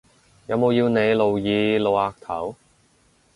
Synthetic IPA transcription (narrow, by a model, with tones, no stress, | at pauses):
jɐ˨˧wmo˨˧wjiː˧wne˨˧jlo˨wjiː˨˧lo˨˧waː˧k̚t̪ʰɐ̰˨˥w